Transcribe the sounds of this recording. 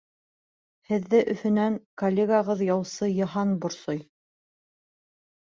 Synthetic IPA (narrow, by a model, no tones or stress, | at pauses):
hɘ̆ðːɘʔɵ̆θɵ̆næŋkolʲːeɡaʁɤðjɑwsɤjɤ̆ɦɑnbŏɾsoj